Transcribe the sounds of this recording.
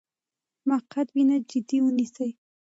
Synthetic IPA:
maqat̪winad͡ʒɪd̪iwʊnisaj

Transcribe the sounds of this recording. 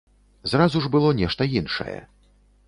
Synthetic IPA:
zrazuʐbɨlˠɔnʲɛʂt̪ɐjinʂɐ̰jɛ̰

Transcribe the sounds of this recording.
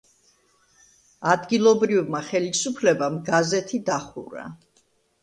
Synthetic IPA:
ad̪ɡilˠɔbɾivmaχɛlisupʰlɛbamɡazɛt̪ʰid̪aχṵɾa̰

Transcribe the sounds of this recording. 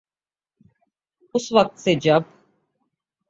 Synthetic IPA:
usvak̚t̪sɛd͡ʒap̚

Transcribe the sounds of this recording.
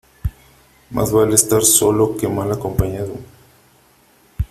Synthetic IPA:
mʔa̰zβalest̪aɾso̞lo̞ke̞malakompaɲaðo

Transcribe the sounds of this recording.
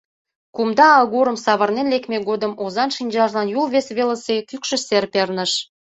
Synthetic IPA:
kumd̪ɑːlɣuɾəmsɑβə̆rnenlekmeɡod̪əmozɑnʃinʲd͡ʑɑʒlɑnjulβesβeləsekykʃə̆serpernə̆ʃ

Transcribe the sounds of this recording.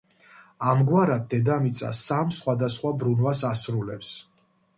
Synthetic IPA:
amɡwaɾad̪̚ːɛd̪amit̪sʼa̰samsχwad̪asχwabɾunwasasɾulɛps

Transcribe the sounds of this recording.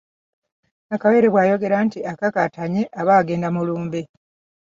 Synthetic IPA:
nakawe̞ːɾeβwaːjo̞ɡe̞ɾantiakakataɲeʔaβaːɡe̞ːndamuluːmbe

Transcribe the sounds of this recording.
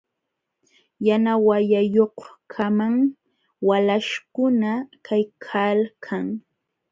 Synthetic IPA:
janawajajohkʰamaŋ | walaʃkʊnakʰajkʰalkʰaŋ

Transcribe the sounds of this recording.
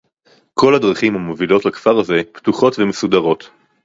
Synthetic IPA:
kʰo̞ladʁaχimhamovilo̞tlakfaʁaze̞ptuχo̞tvemesudaʁo̞t

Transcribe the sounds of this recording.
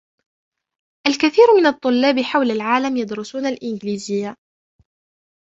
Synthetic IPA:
ʔalkaθiːɾmɪnɑt̪ˤːʊlːɑːbħawlalʕaːlamjɑd̪ɾʊsuːnalʔɪnɡliːzɪjːa

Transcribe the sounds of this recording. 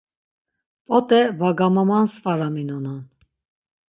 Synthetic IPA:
pʼɔt̪ʼɛvaɡamamansfaɾaminɔnan

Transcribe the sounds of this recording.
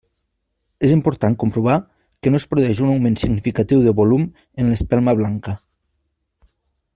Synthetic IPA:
ezimpuɾt̪aŋkumpɾuβ̞a | kenoespɾuðɛʒunawmensiɡnifikat̪iwðeβolum | enlespɛlˠmaβ̞laŋka

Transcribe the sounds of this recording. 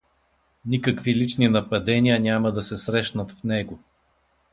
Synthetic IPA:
nikəkvilit͡ʃninɐpɐd̪ɛniənʲamɐd̪ɐsɛsɾɛʃnət̪fnɛɡo

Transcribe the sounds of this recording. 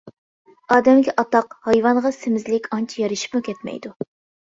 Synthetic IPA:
ɑːd̪ɛmɡʲɛʔɑt̪ɑqhɑjvɑnʁɑsɪmɪzlɪkʲɑnt͡ʃʰijɑɾɨʃi̥pmukʲʰɛt̪mɛ̰jd̪u

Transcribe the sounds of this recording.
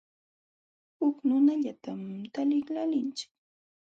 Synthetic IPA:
hʊknʊnaʎat̪amt̪alɪklalɪnt͡ʃɪ̥k

